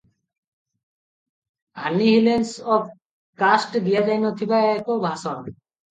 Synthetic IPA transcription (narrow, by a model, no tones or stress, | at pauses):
ɦanːiɦilensɔb | kasʈd̪ijad͡ʑajnot̪ʰibaekobʱasɔn